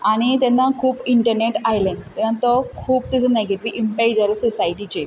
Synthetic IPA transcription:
aɽ̃it̪ɛnːakʰuːpiɳʈəɾneʈajlẽt̪ɛnːat̪ɔkʰuːb̚t̪ɛt͡səneɡeʈiʋiʔimpaid͡zalɔsɔsaiʈit͡ɕe

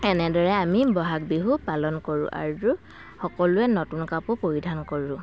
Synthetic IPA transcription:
ɛnɛdɔɹɛamibɔɦakbiɦupalɔnkoɹʊ̰̃ʔa̰zu | xɔkɔlʊɛnɔtunkapʊpoɹidʱankoɹʊ̃

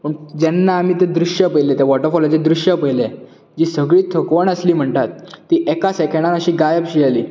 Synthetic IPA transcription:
pəɳd͡ʑɛnːaːm̤iːt̪̬ed̪ɾuɕjəpəjlet̪jaʋɔʈəɾfɔlad͡ʑed̪ɾuɕjəpəile | d͡ʑiːsəɡɭiːt̪ʰəkʋəɳəsliːm̤əɳt̪at̪ːiːʔɛkasɛkeɽãnəɕiːɡajəpɕialiː

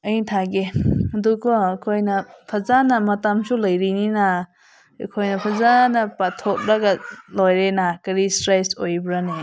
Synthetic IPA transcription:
ɐjtʰaɡeɐdukʰɔːkʰojnɐpʰɐzanɐmɐtamsulɐjɾinina | kʰojnɐpʰɐzanɐpatʰok̚ɾaɡalojɾenakɐɾistɾajsojbɾane

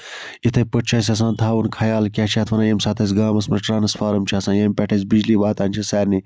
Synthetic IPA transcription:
it̪ʰɐjpəʈ̚t͡ʃʰaːs̬ʲɐs̬ãːnt̪ʰaːʋunkʰɐjaːlkʲaːt͡ʃʰaːt̪ʰʋɐnaːjɐmsaːt̪ʰɐs̬ʲɡaːmɐsmʈɾaːnɐsfaːɾɐmt͡ʃʰiasãːjɐːmpʲɐʈʰɐs̬bid͡ʒliːʋaːt̪aːnʲt͡ʃʰisaːɾni

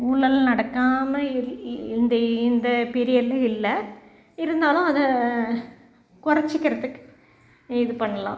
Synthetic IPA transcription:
uːlːɐlnɐɽɐkːaːmɐɪnd̪ɐɪnd̪ɐpɛɾɪjɐlɐɪlːɐ | ɪɾɯnd̪aːlʊ̃ɐðɐ | kʊɾɐt͡ʃːɪkːɪɾɐðɯkːɯ̥ | ɪðɯpɐɳːɐlã̰ː

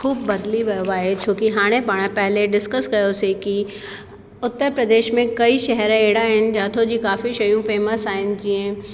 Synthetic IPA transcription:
kʰuːbːɐd̪liʋɐjoaːɦet͡ɕʰoːkiɦaːɽ̃ẽpaːɽ̃ãpɛɦleɖɪskəskɐjoseki | ʊt̪ːəɾpɾɐd̪eːʃmẽkɐiʃɛɦɾẽeːɽaɦɪnɪ̆d͡ʑaːt̪ʰod͡ʑiːkaːfiʃɐjũfeːməsaːɦɪnɪ̆d͡ʑiẽ

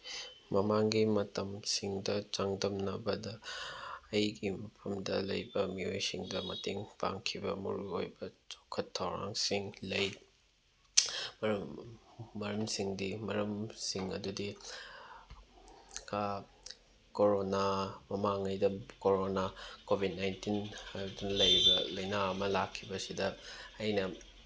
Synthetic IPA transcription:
mɐmaŋɡimɐtɐmsiŋdɐt͡ʃaŋdɐmnɐbɐdɐː | jɡimɐpʰɐmdɐlɐ̰jbɐmiojsiŋdɐmɐteŋpa̰ŋkʰibɐ̰mɐ̰ɾuo̰jbɐt͡ʃokʰːɐtʰːɐwɾa̰ŋsiŋlɐj | mɾː | ɐɾɐmsiŋdimɐɾɐmsiŋɐ̰dudi | ka | koɾonamɐmaŋɐjdɐkoɾonakobʱid̚najntinɐdunɐlɐjbɐlɐjnaɐmɐlakʰːibɐsidɐːjnɐ

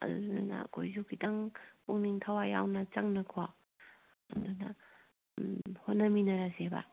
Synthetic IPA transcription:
ɐ̰dunanɐ̰kʰojzukʰitaŋuŋniŋtʰawajawnɐt͡ʃɐŋnɐkʰoa | ɐ̰ndunɐ̰ | hotnɐminɐɾasebɐ̰

